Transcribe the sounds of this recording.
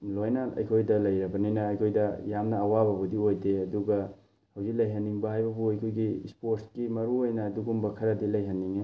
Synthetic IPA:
lojnaɐ̰jkʰojdɐlɐjɾɐbɐninɐːjkʰojdɐjamnɐːwabɐbudiojdeɐduɡɐ | hɐwzik̚lɐjɦɐnːiŋbɐɦajbɐbuɐjkʰojɡispoɾskimɐɾuojnɐːduɡumbɐkʰɐɾɐdilɐjɦɐnːiŋe

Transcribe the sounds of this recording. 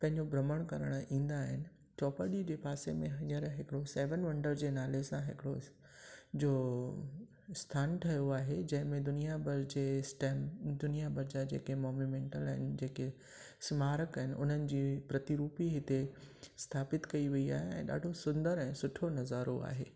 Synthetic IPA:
pɐ̃ɦɪ̃ɲd͡ʑobɾɐməɽ̃kɐɾəɽ̃ĩːn̆d̪aːɦɪnɪ̆ | t͡ɕɔːpəɗid͡ʑeːpaːsemẽɦɐɲəɾɦɪkɪɽosɛːʋənʋɐ̃ɳɖəɾd͡ʑeːnaːlesãɦɪ̰kɪɽo | d͡ʑoː | st̪ʰaːnʈʰɐjoaːɦed͡ʑɐ̃ɦɪ̃mẽd̪ʊnijabɐɾd͡ʑeːsʈɛːmd̪ʊnijabɐɾd͡ʑad͡ʑḛːkemɔːnumẽːɳʈəlaɦɪnɪ̆d͡ʑeːke | smaːɾəkaɦɪnɪ̆ʔʊ̰n̤ənɪ̆d͡ʑiːpɾɐt̪iɾuːpiɦɪt̪est̪ʰaːpɪt̪kɐiʋiia̰ːɦeɛ̰̃ːɗa̰ːɖʱosʊ̃nd̪əɾɛ̃ːsʊʈʰonɐzaːɾo̰a̰ːɦḛː

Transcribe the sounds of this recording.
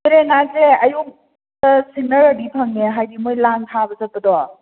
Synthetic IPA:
ɾenaseɐjum | tɐsinɐɾɐbipʰɐŋneɦajdimojlaŋtʰabɐsɐt̚pɐdɔ

